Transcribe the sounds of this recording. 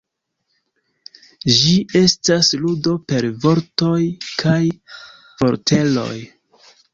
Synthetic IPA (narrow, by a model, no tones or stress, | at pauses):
d͡ʒiʔe̞stasludo̞pe̞ɾvo̞ɾto̞jkʰaj | fo̞ɾtʰe̞lo̞̰j